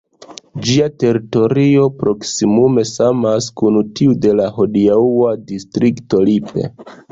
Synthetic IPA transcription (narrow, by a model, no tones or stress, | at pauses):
d͡ʒiate̞ɾito̞ɾio̞pɾo̞ksimume̞samaskunutiude̞laho̞diauadistɾikto̞lipe̞̰